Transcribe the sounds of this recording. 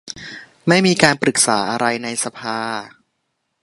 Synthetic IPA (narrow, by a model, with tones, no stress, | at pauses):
ma˥˩jmiː˧kaː˧npɾɯ˨˩k̚sa̰ː˩˦ʔa˧ɾa˧jna˧jsa˧pʰaː˧